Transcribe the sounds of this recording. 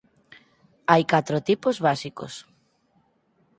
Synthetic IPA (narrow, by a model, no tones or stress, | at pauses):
ajkat̪ɾot̪ipozβasiko̰s